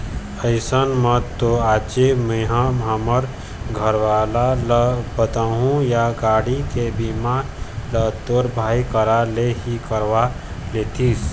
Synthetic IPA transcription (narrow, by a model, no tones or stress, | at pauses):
əɪsənmət̪ːoaːt͡ʃemə̃ɦãmaməɾ | ɡʱəɾʋaːlalbət̪aɦũjaɡaːɽikebimalət̪oːɾbʱaːikəɾaleɦikəɾʋa | leːt̪ʰis